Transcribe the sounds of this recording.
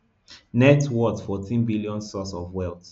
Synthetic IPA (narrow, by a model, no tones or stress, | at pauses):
nɛtwɔtfɔtʰĩnbiliɔ̃nsɔsɔvwɛlˠt